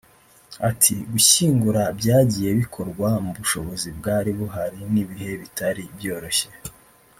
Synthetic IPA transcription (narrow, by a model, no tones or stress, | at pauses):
atʰiɡuçiːŋɡuɾabɟaːɟiːje̞βikʰo̞ɾɡwamuβuʃo̞βo̞zibɡaːɾiβuɦaɾiniβiɦe̞βitaɾibjo̞ːɾo̞çe̞̥